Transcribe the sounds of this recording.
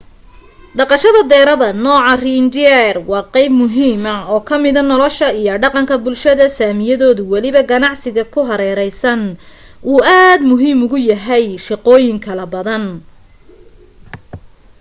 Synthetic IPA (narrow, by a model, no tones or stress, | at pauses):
ɖɑqɑʃɐðɐd̪ɛːɾɐðɐnɔːʕɑriːnd͡ʒ̪ɛrwɑːqɛjbmʊɦiːmɐɔːkʰɐmɪðɐnɔlɔʃɐijɔɖɑqɑŋkʰɐbʊlʃɐðɐsaːmɪjɐðɔːðʊwɑlɪβɐɡɐnɑʕsɪɣɐkʰʊɦɐɾɛːɾɛjsɐn | ʔuːʔaːd̪mʊɦiːmʊɣʊjɐɦɛjʃɪqɔːjɪŋkʰɐlɐbɐðɐn